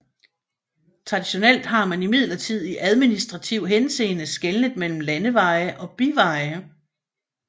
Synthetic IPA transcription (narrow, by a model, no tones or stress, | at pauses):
t͡sʰʁɑ̈d̥iɕo̝nel̰d̥ɦɑ̈mænimið̞ˠlɐt͡sʰið̞̰ˠiʔæð̞ˠminisd̥ʁɑ̈t͡sʰiʊ̰ɦense̝̰ːnəsɡ̥elnəðˠmel̰m̩lænəʋɑ̈ɪɐʔɒ̽b̥iʋɑ̈ɪɐ